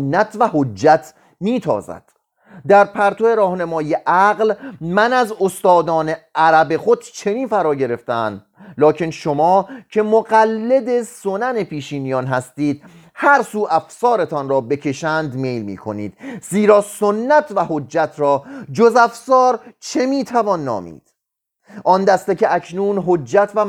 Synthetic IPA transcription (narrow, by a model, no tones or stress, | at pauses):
nːæt̪ʰvæhod͡ʒːæt̪ʰ | miːt̪ʰɒ̰ːzæ̰d̪̥ | d̪æɾpʰæɾt̪ʰoe̞ɾɒːhnæmɒːjijeʔæɣlmænæzost̪ɒːd̪ɒːneʔæɾæbe̞xo̞d̪̚t͡ʃʰe̞niːnfæɾɒːɟe̞ɾe̞ft̪eæ̰nd̪ | lɒːcʰe̞nʃomɒːcʰe̞moɣælːe̞d̪e̞so̞næne̞pʰiːʃiːnijɒːnɦæst̪iːd̪̥̚ | hæɾsuːʔæfsɒːɾe̞t̪ʰɒnɾɒːbe̞cʰe̞ʃænd̪me̞ːjlmḭːkʰo̞̰nḭːd̪̥ziːɾɒːsonːæt̪ʰvæhod͡ʒːæt̪ʰɾɒːd͡ʒozæfsɒːɾt͡ʃʰe̞miːt̪ʰævɒːnːɒ̰ːmḭːd̪̥ | ʔɒnd̪æst̪ecʰeʔæcʰnuːnɦod͡ʒːæt̪ʰvæ